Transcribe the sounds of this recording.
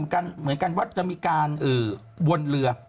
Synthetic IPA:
nka˧nmɯ˨˩˦nka˧nwaː˥˩t͡ɕa˧ʔmiː˧kaː˧nʔɤː˨˩ | wo˧nlɯ˧ɐ

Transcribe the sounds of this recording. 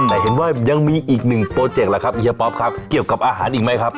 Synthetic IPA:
nːa˨˩˦jɦe˨˦nwaː˥˩ja˧ŋmiː˧ʔiː˨˩k̚nɯ˨˩ŋpɾoː˧t͡ɕe˨˩k̚la˨˩kʰa˦˥p̚ʔi˧˩a˧pɔː˦˥p̚kʰa˦˥p̚ki˨˩əwka˨˩p̚ʔaː˧ɦaː˩˦nʔiː˨˩k̚ma˦˥jkʰa˦˥p̚

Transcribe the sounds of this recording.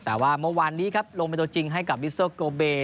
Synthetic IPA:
t̪ɛː˨˩waː˥˩mɯ˥˩˨waː˧nːiː˦˥kʰa˦˥p̚lo˧ŋpa˧t̪u˧t͡ɕi˧ŋɦa˥˩jka˨˩p̚wi˦˥soː˥˩koː˧beː˧

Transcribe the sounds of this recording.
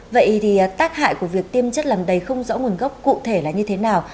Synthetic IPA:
və̰˧˨jt̪ʰi˨˩˨t̪aː˦˥k̚ha̰ː˧˨jku˧˩əvi˨˩ək̚t̪i˧əmt͡ɕə˦˥t̚laː˨˩mɗə˨˧˩jxə˧wŋ͡mzɔ̰ː˧˥ŋu˨˩ənɣə˦˥wk͡p̚kṵ˧˨t̪ʰe˧˩laː˨˩ɲɨ˧t̪ʰe˨˦naː˨˩w

